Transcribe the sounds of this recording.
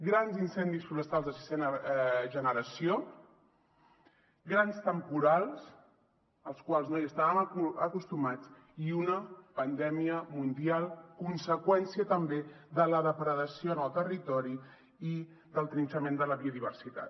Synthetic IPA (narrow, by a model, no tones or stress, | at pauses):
ɡɾanzinsɛnd̪isfuɾəst̪alˠzðəsi̥sɛnəʒənəɾəsio | ɡɾanst̪əmpuɾalˠs | əlˠskwalˠznojəst̪aβəməkust̪umat͡s | iunəpənd̪ɛmiəmund̪ialˠkunsəkwɛnsiət̪əmbeðələðəpɾəðəsionəlˠt̪ərit̪ɔɾi | i | ðəlˠt̪ɾinsəmend̪ələβiuðiβ̞əɾsit̪a̰t̪